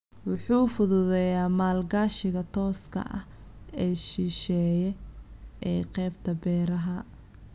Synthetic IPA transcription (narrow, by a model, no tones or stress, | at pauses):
wʊħuːfʊðʊðɛjaːmaːlɡaːʃɪɣɐt̪ʰɔːskʰɐ̰ʔɐ̰h | ɛːʃiʃɛːjɛʔɛːqɛːbt̪ʰɐbɛːɾɐɦɐ